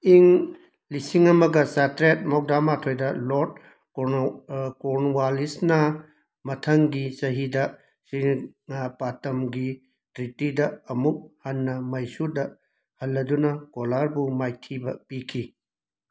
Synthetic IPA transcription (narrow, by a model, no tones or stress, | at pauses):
iŋ | lisiŋɐmɐɡɐsatɾet̚mok̚damatʰojdɐlot̚ | koɾnwalisnɐ | mɐtʰɐŋɡisɐɦidɐ | si | patɐmɡi | tɾitidɐɐmuk̚hɐnːɐmɐjsudɐ | hɐlːɐdunɐkolaɾbumajtʰibɐpikʰi